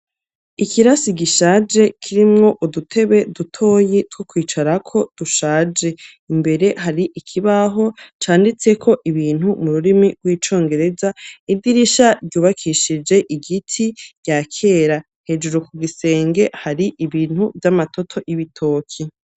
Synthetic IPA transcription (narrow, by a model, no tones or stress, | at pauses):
ikiɾasiɡiʃaːd͡ʒe̞kʰiɾimŋo̞ʔudutʰe̞βe̞dutʰo̞ːjetwokwiːt͡ʃaɾakʰo̞d̥uʃaːd͡ʒe̞ | imbe̞ɾe̞ɦaɾiʔikʰiβaɦo̞t͡ʃaːndit͡se̞kʰo̞ʔiβiːn̥humuɾuɾimiɡwiːt͡ʃo̞ːŋɡe̞ɾe̞zaidiɾiʃaɾɟuːβakʰiʃid͡ʒe̞ʔiɡitʰiɟ̥akʰe̞ːɾa | he̞d͡ʒuɾokuɡise̞ːŋɡe̞haɾiʔiβiːn̥huvjamatʰo̞tʰo̞jiβitʰo̞ːkʰi